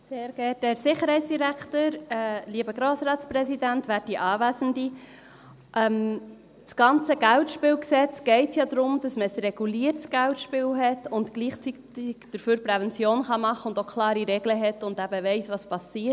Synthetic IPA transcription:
seːɾɡ̥ɛd̥ɛɾsɪχəɾhɛɪt͡ssd̥iɾæktəɾɛliəbəɡɾoːsɾɑːtsprɛsidæntʋæːɾd̥iʔɑːvæzəndi | ʔɛm | sɡ̥ɑnt͡səɡ̥æltʃpɪːwksɛt͡sɡ̥ɛɪtsjɑd̪ɾʊmd̥ɑsməəsrɛɡ̥uliːəɾtsɡ̥æltʃpɪːwɦɛtʊntɡ̥liːχt͡sitɪɡ̥d̥əɾføːɾpɾɛvɛnt͡sjoːnχɑmɑχːəʊndokʰlɑːɾiɾɛɡləɦɛtʊndæb̥əʋɛɪsʋɑspɑsiːt

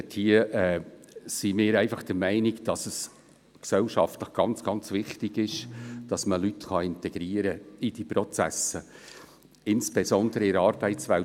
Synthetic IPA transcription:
thiəʔɛːsimɪːɾæɪfɑχd̥əɾmæɪnɪɡd̥ɑsəs | ksɛlʃɑ̰ftləχɡ̥ɑnt͡sɡ̥ɑnt͡svɪχtɪɡɪʃd̥ɑsməlytχɑɪntɛɡ̥ɾiːəɾəid̥iprɔt͡sæ̰sə | ɪnsb̥ɛsɔndəɾəɪɾəɑːɾb̥æɪtt͡svæl

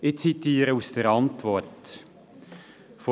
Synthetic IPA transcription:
ɪt͡sit̪iːɾəusd̥əɾɑntvɔɾt | fo

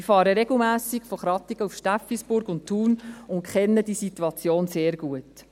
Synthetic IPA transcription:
ifɑːɾəɾeɡl̩mæːsɪkfɔχɾɑt̪iɡ̥əufʃtæfisbʊɾɡʊnttʰːuːnʊntkʰɛnːəd̥isituɑt͡sjoːnseːɾɡ̥uət

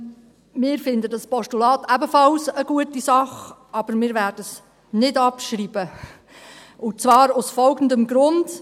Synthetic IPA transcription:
mɪːɾfɪnd̪ədɑspɔʃtulɑːt̪æbəfɑlsəɡuətisɑχɑb̥əɾmɪːɾvæːɾd̥əs | nɪdɑpʃɾiːb̥ə | ʊt͡sʋɑːɾʊsfɔlɡən̩dəmɡɾʊnd

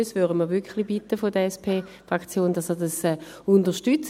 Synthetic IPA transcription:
sʋydəməʋʏkχlibitːəfodəɛspʰeːfʁakt͡sjoːndɑsədɑsɛː | undəʃtyt͡s

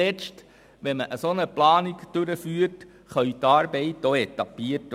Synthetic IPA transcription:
ɛt͡st | ʋɛməʔəsonəplɑːniɡd̥øɾəfyːəɾt | χœʏt̪ɑːɾbɛɪtːoɛt̪ɑpiət

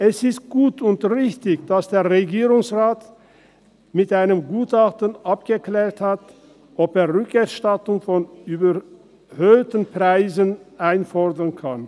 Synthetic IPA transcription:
ɛsɪst̚ɡ̥uːtʰʊntʁɪçtɪçd̥asd̥eːɐʁeɡiːʁʊŋsʁaːt | mɪtʔaɪnəmɡuːtaχtənʔapɡ̥əklɛːɐthat | ʔɔpeːɐʁʏkɛɐʃtatʊŋfɔnyːbɐ | høːtən̩pʁ̥aɪzənʔaɪnfɔɐdɐnkʰan

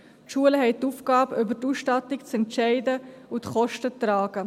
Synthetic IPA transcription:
tʃuələɦɛɪtuːfɡ̥ɑːbʔʏbətuːsʃtɑtɪkt͡sɛntt͡ʃɛɪdəʊtχɔʃtətɾɑːɡ̥ə

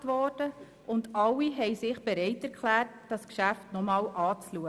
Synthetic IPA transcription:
tʋɔrd̥ə | ʔʊndɑlːiɦɛɪjsɪχb̥eɾɛɪtɛɾkʰlæːrtd̥ɑskʃæftnɔmɑːlʔɑːt͡sluə

